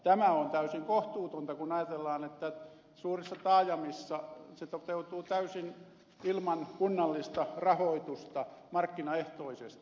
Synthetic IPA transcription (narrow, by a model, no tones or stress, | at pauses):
t̪æmæont̪æysiŋkoht̪uːt̪ont̪ɑkunɑjɑt̪elːɑːnet̪ːæ | suːrisːɑt̪ɑːjɑmisːɑset̪ot̪eut̪uːt̪æysin | ilmɑnkunːɑlːist̪ɑrɑhoit̪ust̪ɑmɑrkːinɑeht̪oisest̪i̥